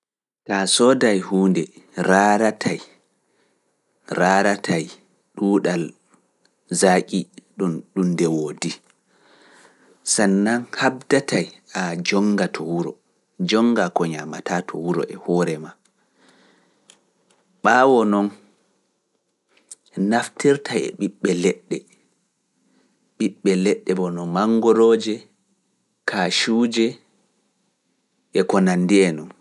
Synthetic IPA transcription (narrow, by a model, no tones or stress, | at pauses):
tasɔdajhuːndɛɾaːɾatʰaj | ɾaːɾatʰaj | ɗuːɗal | zakʼiɗuɗundɛwoːdi | sanːanhab̚datʰajad͡ʒɔŋɡatʰɔwuɾɔ̰ | d͡ʒɔŋɡakɔɲamatatʰɔ̰wuɾɔ̰ʔɛhɔːɾɛma | ɓaːwɔnɔn | naftiɾtʰajɛ̰ɓiɓːɛlɛɗːɛ | ɓiɓːɛlɛɗːɛbɔnɔmaŋɡɔɾoːd͡ʒɛ | kʰaʃuːd͡ʒɛ | ʔɛkɔnanːdiɛnɔn